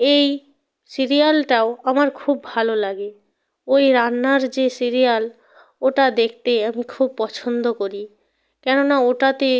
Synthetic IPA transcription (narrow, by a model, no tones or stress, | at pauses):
ej | siɾialʈaoamaɾkʰubːʱalolaɡe | ojɾanːaɾd͡ʑesiɾijal | oʈad̪ekʰt̪eamikʰub̚pɔt͡ɕʰond̪okoɾi | kɛnonaoʈat̪e